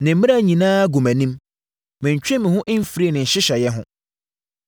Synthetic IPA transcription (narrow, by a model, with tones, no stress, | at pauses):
nɪ̃˨m̩˦mɪ̃˦ɾa˦˨ɲĩ˨nãː˦ɡu˨mæ̃˨nĩ˦m | mɪ̃˨ɲ˨t͡ɕᶣɪ̃˦mɪ̃˨hʊ̃˦ʔɪ˦m̩˦fi˨ɾi˦e˦˨nɪ̃˨ɲ̩˨ɕɪ˦ɕɛ˨jɛ˦ɦʊ̰̃˦